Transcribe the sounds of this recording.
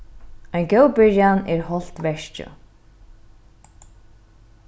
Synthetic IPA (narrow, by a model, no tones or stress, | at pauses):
ajnɡœwbɪɹjanɛːɹhɔl̥t̪ʋɛʃt͡ʃə̰